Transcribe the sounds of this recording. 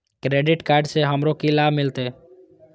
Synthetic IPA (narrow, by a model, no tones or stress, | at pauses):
kɾeːɖɪʈkaːɾɖseɦəmɾokilabmɪlt̪e